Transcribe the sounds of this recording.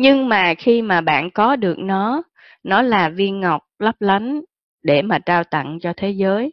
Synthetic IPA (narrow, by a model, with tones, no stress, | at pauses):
ɲɨ˧ŋmaː˨˩xi˧maː˨˩ɓa̰ː˧˨nkɔ˨˦ɗɨ˨˩ək̚nɔ˨˦ | nɔ˨˦laː˨˩vi˧ənŋa˨˩wk͡p̚lə˦˥p̚la˨˦n | ɗe˧˩maː˨˩t͡ɕaː˧wt̪ə̰˧˨ŋt͡ɕɔ˧t̪ʰe˨˦zəː˨˦j